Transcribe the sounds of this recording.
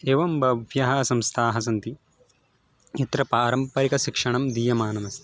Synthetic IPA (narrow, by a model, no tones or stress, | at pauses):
eːʋɐmbʱɐʋʱjɐɦɐsɐmst̪ʰaːɦɐs̬ɐnt̪i | it̪ɾɐpaːɾɐmpɐɾikɐʃikʂɐɳɐmd̪iːjɐmaːnɐmɐst̪ʰi